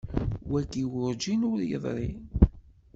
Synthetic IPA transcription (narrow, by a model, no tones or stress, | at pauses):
wæɡiwʊɾd͡ʒinʊɾjə̰ðˤɾḭ